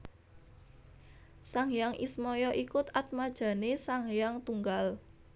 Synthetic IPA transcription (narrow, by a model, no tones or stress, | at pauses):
saŋjaŋʔḭsmɔjɔʔikʊt̪at̪̚mad̥ʒ̥ä̤nesaŋjaŋt̪uŋɡal